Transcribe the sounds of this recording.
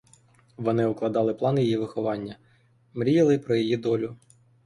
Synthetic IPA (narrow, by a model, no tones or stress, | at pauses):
ʋɔnɪʊklˠɐd̪ɑlˠɪplˠɑnjijiʋɪxɔʋɑnʲːɐ | mɾʲijɐlˠɪpɾɔjɔjid̪ɔlʲʊ